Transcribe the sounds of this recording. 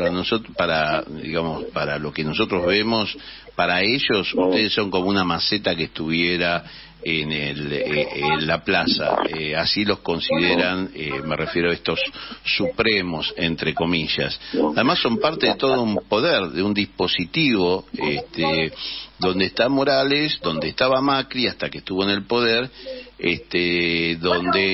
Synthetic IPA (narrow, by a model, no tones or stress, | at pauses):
aɾanosot̪paɾad̪ḭɣamospaɾalo̞keno̞so̞t̪ɾozβemos | paɾaeʒo̞suht̪eð̞esːo̞ŋko̞mounamaset̪akest̪uβ̞jeɾa | enelenlaplasa̰easilo̞sko̞nsiðeɾanemerefje̞ɾoaehst̪o̞sːupɾemo̞sent̪ɾeko̞miʒa̰saðemasːo̞mpaɾt̪e̞ðet̪o̞ðoumpo̞ðeɾðeund̪ispo̞sit̪iβo̞est̪ed̪o̞nd̪eht̪amo̞ɾalesd̪o̞nd̪est̪aβamakɾiaht̪akeht̪uβo̞ene̞lpo̞ðeɾḛst̪eðo̞nd̪e